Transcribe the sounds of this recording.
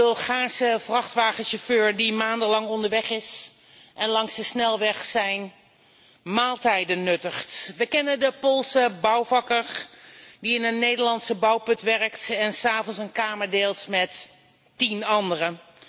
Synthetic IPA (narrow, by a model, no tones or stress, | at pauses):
ɵlˠχaːsəvrɑχtʋaːχənʃoføːɹdimaːndəlɑŋɔndəɹʋɛχɪs | ʔɛnlɑŋsdəsnɛlˠʋɛχsɛjn | maːlˠtɛjdənɵtəχtʋəkɛnəndəpolˠsəbɑwvɑkəɹ | diɪnənnːejdəɹlɑnsəbʌwpɵtʋɛrəktɛnsaːvɔnsənkaːməɹdeːlˠtmɛt | tinɑndərə